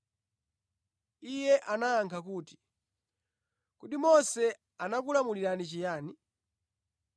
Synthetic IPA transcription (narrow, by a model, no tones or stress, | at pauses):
ijɛʔanaaŋkʰakuːti̥ | kutimɔsɛ | anak̬ulamuliɾanit͡ʃijaːni